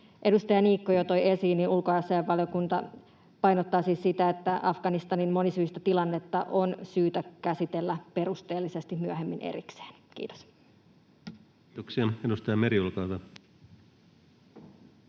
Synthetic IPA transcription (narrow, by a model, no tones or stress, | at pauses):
ʔe̞dust̪ɑjɑniːkːojot̪ojesiːnːinulkojɑsːɑjɑʋʋɑljokunt̪ɑ | pɑjnot̪ːɑːsiːssit̪æet̪ːæʔɑfɡ̥ɑnist̪ɑninmo̞nisyist̪æt̪ilɑnːe̞t̪ːɑʔo̞nsyːt̪ækæsit̪elːæpe̞rust̪e̞ːlːise̞st̪immyøɦemːinʔḛrikse̥ːnkḭːt̪o̥s | t̪oksiɑedust̪ɑjɑmeɾiulkɑut̪ɑ